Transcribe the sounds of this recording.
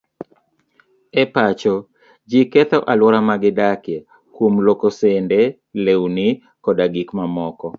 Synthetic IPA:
ɛpat͡ʃɔ | d͡ʒikɛt̪ɔʔalwɔɾamaɡɪdakje | kwomlokosendɛ | lewnɪ | kɔdaɡikmamɔkɔ

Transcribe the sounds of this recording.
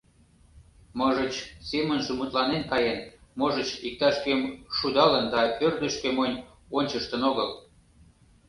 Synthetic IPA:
məʒət͡ɕsemənʒemut̪lɑnenkɑjenmoʒət͡ɕik̚t̪ɑʃkemʃud̪ɑlənd̪ɑørd̪əʃkemonʲ | onʲt͡ɕəʃt̪ənoɣəl

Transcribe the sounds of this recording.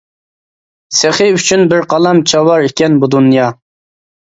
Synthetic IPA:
seχɨyt͡ʃʰynbɪɾqʰɑlˠɑmt͡ʃʰɑwɑɾikʲɛnbud̪unjɑ

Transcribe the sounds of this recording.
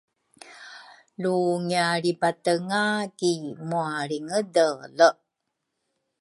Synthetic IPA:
luŋiaɾibatəŋakimuaɾiŋədələ

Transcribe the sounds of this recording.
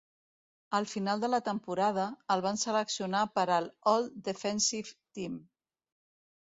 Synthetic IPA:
əlˠfinalˠd̪ələt̪əmpuɾað̞əːlˠβ̞ansələksiunapəɾəlɔlˠd̪əfɛnsift̪im

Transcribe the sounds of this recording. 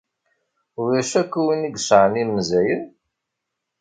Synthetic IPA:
ʊɾæʃækːuwiniɡsəʕənimːzæjəð

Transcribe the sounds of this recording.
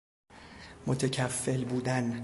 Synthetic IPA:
mot̪ʰecʰæfːelbuːd̪æn

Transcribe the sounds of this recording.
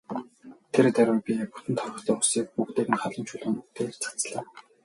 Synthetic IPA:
t̪ʰeɾt̪æɾʲɪ̆pʲipu̥t̪ɘ̆nt̪ʰɔrʁɞ̆t̪ʰœːʊsiːk̚pukt̪ʰeːɣɘ̆nχaɮə̆mt͡ɕʰʊɮʁɘ̆ːnut̪ʰeːrt͡sʰḁt͡sɮaː

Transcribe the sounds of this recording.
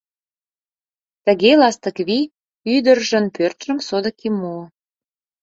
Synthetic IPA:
t̪ə̆ɣelɑst̪ə̆kβi | yd̪ərʒə̆npørt̪ʒ̥ə̆msod̪ə̆kʰimu

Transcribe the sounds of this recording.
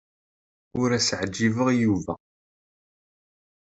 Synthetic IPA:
ʊɾæsʕd͡ʒːivəʁjuvæ̰

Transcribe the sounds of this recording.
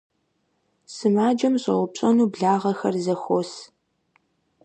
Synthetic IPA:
sɨmaːd͡ʒɐmɕʼɐʁʊpɕʼɐnuːbɮaːʁɐxɐrzɐxʷos

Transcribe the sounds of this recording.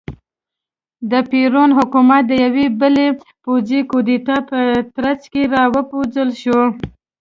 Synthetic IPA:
d̪əpiɾonɦʊkumat̪̚d̪əjawebəlepod͡zikod̪it̪ɑpət̪ɾat͡skeɾɑwəpod͡ʒəlʃo

